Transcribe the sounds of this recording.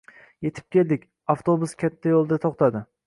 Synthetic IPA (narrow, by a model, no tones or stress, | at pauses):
je̞t̪ʰɪ̥p̚kʲe̞ld̪ɪkʲ | aft̪ʰobuskʲʰat̪ʰːajolˠd̪at̪ʰoχt̪ʰad̪ɪ